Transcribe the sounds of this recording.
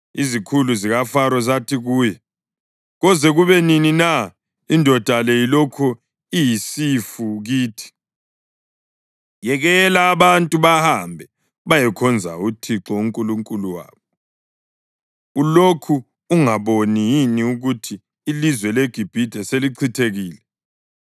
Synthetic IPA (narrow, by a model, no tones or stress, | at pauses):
izikʰuluziɣafaɾɔzatʰiɣuːjɛ | ɣɔzɛɣuβɛninina | indʱɔd̥ʱalejilɔkʰɔ | ijisifuɣiːtʰi̥ | jɛɣɛlaːβantʼuβahambʱɛ | βajɛkʰɔnd͡zʱa̰utʰiǁɔuŋkʼuluŋkʼuluwa̰ːβɔ | ulokʰuː | ŋaβonijiniuɣutʰiː | lizwɛleɡ̥ʱib̥ʱid̥ʱɛseliǀʰitʰeɣiːlɛ